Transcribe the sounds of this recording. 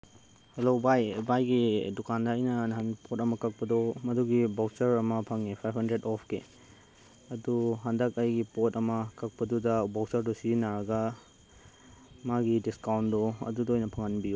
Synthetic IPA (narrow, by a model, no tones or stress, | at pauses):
helobajbajɡidukandɐːjnɐnɐɦɐnpʰotɐmɐkɐk̚pɐdomɐduɡibawsɐɾɐmɐpʰɐŋepʰajpʰhɐndɾedɔpʰkḛ | ɐduɦɐndɐkɐjɡipotɐmɐkʰɐk̚pɐdudɐbawsɐɾdɔsinaɾɐɡɐ | maɡidiskawndoɐ̰dudoːjnɐpʰɐŋɐnbiju